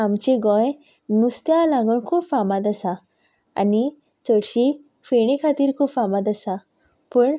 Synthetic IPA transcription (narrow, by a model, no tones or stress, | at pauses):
amt͡ɕeɡɔ̃j | nust̪jalãŋɡəɳkʰuːpfãmãt̪̬əsa | a̰ni | t͡səɽɕi | feɽ̃ẽkʰat̪iːɾkʰuːpfamat̪əsa | pəːɳ